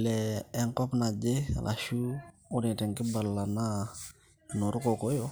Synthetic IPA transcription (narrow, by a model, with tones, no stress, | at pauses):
lɛː˦ŋkɔ˦pna˨d͡ʒe˦a̰˨lʔa̰˨ʃu˦ʊ˦ni˨tɛ˨ŋkɪ˦ba˨lːa˨na˦ | no˨ɾʊ˦ko˨ko˦jo˦